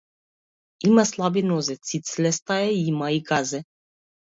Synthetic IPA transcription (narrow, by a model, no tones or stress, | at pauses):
imaslˠabinozɛt̪sit̪slɛst̪aɛimaiɡazɛ